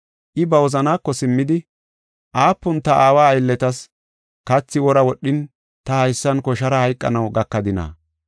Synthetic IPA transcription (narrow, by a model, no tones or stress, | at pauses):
ʔɪbɐwɔzɐnaːkːɔsɪmːɪd̪ɪ | ʔaːpːʊnt̪ɐʔaːwaːjlːɛt̪ɐs | kɐt͡sːɪwɔɾɐwɔɗːɪn | t̪ɐhɐjsːɐnkɔʃɐɾɐhɐjkʼːɐ̰nɐwɡɐkːɐd̪ɪna̰ː